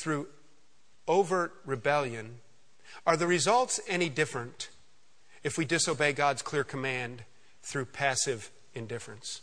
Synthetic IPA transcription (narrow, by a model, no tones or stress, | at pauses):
θɹʉ | oʊvə˞ɹɨbɛlˠjɨ̃n | ə˞ðɨɹɨzʌlˠtsɛñidɪfɹɨ̃nt | ɨfwidɨsoʊbeɪɡɑdz̥kʰl̥ɪɹkʰəmæ̃nd | θɹʉpʰæsɨv | ɨ̃ndɪfɹɨ̃ns